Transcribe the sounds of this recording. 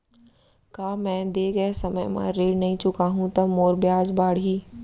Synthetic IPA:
kaːmɛ̃ːd̪eːɡəesɐməjmã̰ɾeːɽnɐɦĩt͡ʃʊkaːɦũt̪ɐmoːɾbjaːd͡ʒbaːɽɦiː

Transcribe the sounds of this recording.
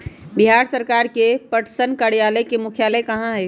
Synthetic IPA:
biɦaːɾsəɾkaːɾkepəʈsənkaɽijaːləkemʊkʰjaːləkɐɦãɦɛː

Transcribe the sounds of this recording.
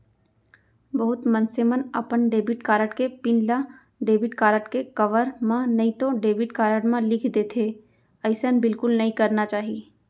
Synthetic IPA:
bɐɦʊt̪mɐ̃nsemənɐ̰pənɖeːbɪʈkaːɾəʈkepɪ̃nla | ɖeːbɪʈkaːɾəʈkekɐʋəɾmãnɐĩt̪oɖeːbɪʈkaːɾəʈmãlɪkʰd̪eːt̪ʰeː | ɐɪsənbɪlkʊlnɐɦĩkɐɾnat͡ʃaːɦieː

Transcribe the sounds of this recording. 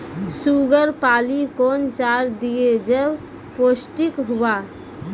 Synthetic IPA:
suɡəɾpaːlikoːnt͡ʃaːɾd̪ijed͡ʒəb | posʈɪkɦuwa

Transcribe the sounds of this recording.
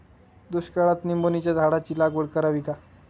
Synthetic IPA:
d̪uɕkəɭat̪nimbonit͡ɕjad̪ʱaɽat͡ɕiːlaɡoɽkəɾaʋika

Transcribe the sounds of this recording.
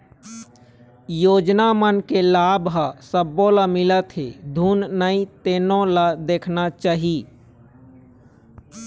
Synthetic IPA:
joːd͡ʒnamənkelaːbɦəsəbːõləmɪlət̪ɦed̪ʱuːnnəĩt̪eːnõləd̪eːkʰnat͡ʃaːɦi

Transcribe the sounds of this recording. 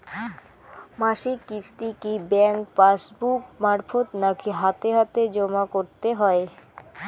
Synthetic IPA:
maʃikːist̪ikibɛŋkpasbukmaɾfot̪nakʰiɦat̪eɦat̪ed͡ʑomakoɾt̪eɦɔe

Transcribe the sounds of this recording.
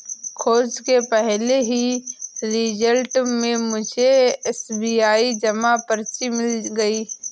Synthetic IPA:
kʰoːd͡ʒkepɛɦleɦiɾɪd͡ʒəlʈmẽmʊd͡ʒʱeɛːsbiːaːid͡ʒɐmapəɾt͡ʃimɪlɡəiː

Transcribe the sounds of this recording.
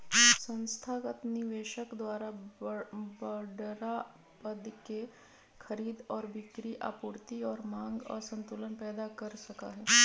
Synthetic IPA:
sə̃nst̪ʰaːkət̪niʋeːʃəkd̪waːɾa | bəɖɾa | pəd̪ke | kʰəɾiːd̪ɔːɾbɪkɾiʔa̰ːpuːɾt̪iɔːɾmãːŋɡɔ̰ːɾsə̃nt̪ulənpɛːd̪akəɾsɐka̰ɦɛː

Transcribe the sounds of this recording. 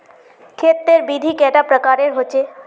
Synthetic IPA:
kʰeːt̪̚ːeɾbiːd̪ʱikɛːʈapɾəkaːɾeɾɦot͡ʃeː

